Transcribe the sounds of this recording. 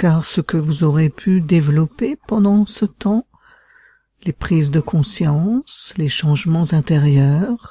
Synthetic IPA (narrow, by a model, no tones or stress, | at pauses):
kaʁsəkəvuzɔʁepʰyd̪evlɔpepɑ̃d̪ɑ̃sət̪ɑ̃ | lepχizd̪əkɔ̃sjɑ̃sleʃɑ̃ʒmɑ̃zɛ̃t̪eʁjœʁ